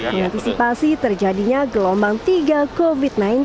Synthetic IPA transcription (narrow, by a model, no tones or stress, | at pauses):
məŋant̪isipasit̪ərd͡ʒadiɲaɡəlɔmbaŋt̪iɡakofit̪̚naɪn